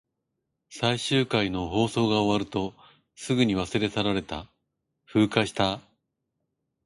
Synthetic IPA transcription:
saiɕɨːkaino̞ɦo̞ːso̞ːɡaoβaɾɯ̟t̪o̞ | sɨɡɯ̟ɲ̟iβ̞asɨɾe̞saɾaɾe̞t̪a | ɸɯ̟ːkaɕi̥t̪a

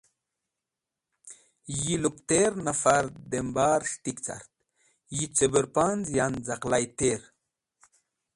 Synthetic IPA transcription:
jilukt̪eɾnafaɾd̪embaːɾʂʈ̪ikt͡sa̰ɾt̪̚ | jit͡sebəɾpanzjanzaqlajt̪eɾ

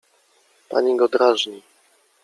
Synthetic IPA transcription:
pa̰ɲiɡɔd̪ɾaʐɲi

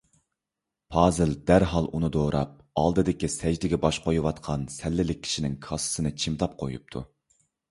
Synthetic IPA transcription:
pʰɑːzɨld̪æɾɦɑlˠunɨd̪oːɾɑ̰p̚ | ɑ̰lˠd̪ɨd̪ɪkʲisɛd͡ʒd̪ɪɡʲɛbɑʃqʰojuwɑt̪qʰɑnsɛlːɪlɪk̚ʲʰi̥ʃinɪŋkʰɑsɨ̥sɨnɨt͡ʃʰimt̪ʰɑp̚qʰo̰jup̚t̪ʰṵ

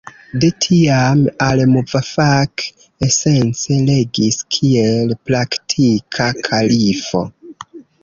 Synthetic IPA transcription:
de̞tʰiamalmuvafak | ese̞nt͡se̞le̞ɡiskʰielpɾaktʰikʰakʰalifo̞̰

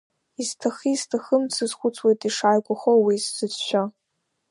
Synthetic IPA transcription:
iztʰaχiːztʰaχəmt͡sʰɨzχʷʊt͡sʰwejtʼiʂajkʷʼʊχowiszɨt͡sʃʷᶣa

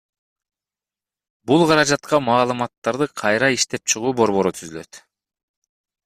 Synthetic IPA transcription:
bulˠqʰɑɾɑd͡ʒɑt̪qɑmɑːlˠɯmɑt̪ːɑɾd̪ɯqʰɑjɾɑiʃt̪e̞p̚t͡ʃʰɯʁuːbo̞ɾβo̞ɾut̪ʰyzylø̞̰t̪

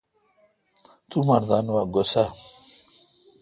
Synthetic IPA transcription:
t̪umɐɾd̪anwaɡosa

